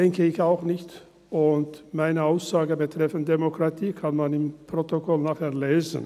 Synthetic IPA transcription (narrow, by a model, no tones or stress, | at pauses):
d̥ɛŋkəɪçaʊxnɪçt | ʊntmaɪnəaʊsz̥aːɡəbətʁ̥ɛfəntd̥emokʁ̥atʰiːkʰanmanɪmpʁ̥otokʰɔlnaːχeːɐleːzə̰n